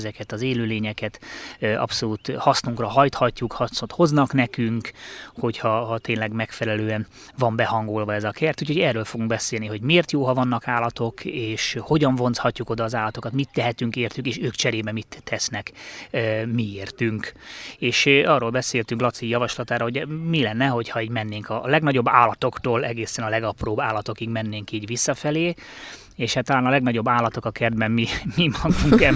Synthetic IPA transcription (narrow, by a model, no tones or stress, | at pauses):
zɛkɛt̪ɒzeːløːleːɲɛkɛt̪ʔɒ̰pso̞luːt̪hɒsnuŋkrɒɦɒjt̪hɒcːukhɒot̪ho̞znɒkn̪ɛkyŋkho̞chɒɦɒt̪eːnlɛɡmɛkfɛlɛløːɛn | vɒmbɛhɒŋɡolvɒɛzɒkʰɛrt̪uːcʰho̞ɟɛrːøːlfo̞ɡuŋɡ̚bɛseːlniɦo̞ɟmeːrt̪joːɦɒvɒnːɒkaːlɒt̪o̞keːʃho̞ɟɒɱvo̞nt̪shɒcːuko̞d̪ɒːzaːlɒt̪o̞kɒt̪mit̪ːɛɦɛt̪yŋkeːrt̪ykeːʃøːkt͡ʃɛɾeːbɛmit̪ʰːɛsnɛk | mieːrt̪yŋkeːʃɒːroːlbɛseːlt̪yŋklɒt̪sijɒvɒʃlɒt̪aːɾɒɦoɟɛmilɛnːɛɦo̞cʰhɒiːɟmɛnːeːŋkɒlɛɡnɒɟo̞bːa̰ːlɒt̪o̞kt̪oːlɛɡeːsɛnɒlɛɡɒproːbaːlːɒt̪o̞kiɡmɛnːeːŋkiːɟvisːɒfɛleː | eːʃhat̪ːɒlaːnɒlɛɡnɒɟo̞bːaːlːɒt̪o̞kɒkɛrd̪̚bɛmmimimɒɡuŋkɛ